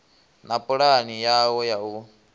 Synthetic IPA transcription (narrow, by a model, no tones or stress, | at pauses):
napʼɔɺanijawɔjau